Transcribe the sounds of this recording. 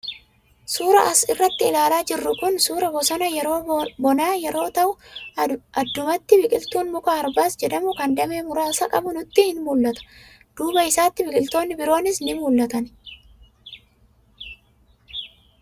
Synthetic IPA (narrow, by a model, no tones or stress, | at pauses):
suːɾɐʔɐsɪrːɐt̪ːɪɪlaːlaːd͡ʒɪrːʊkʊnsuːɾɐbɔsɐnɐjɛɾoːbɔnaːjɛɾo̞ːt̪ɐʔʊ | ɐd̪ːʊmɐt̪ːɪbɪkʼɪlt̪uːnmʊkaːɾbaːsd͡ʒɛd̪ɐmʊkɐnd̪ɐbe̞ːmʊɾaːsɐkʼɐbʊnʊt̪ːɪhɪnmuːlːɐt̪ɐ̥ | d̪̥uːbɐɪsaːt̪ːɪbɪkʼɪlt̪o̞ːnːɪbɪɾo̞ːnɪsnɪmuːlːɐt̪ɐn